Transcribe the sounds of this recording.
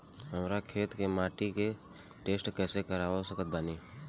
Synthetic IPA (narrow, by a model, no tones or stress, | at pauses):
ɦəmɾakʰeːt̪kemaːʈike | ʈeːsʈkɛːsekəɾaːʋosəkət̪̚baːniː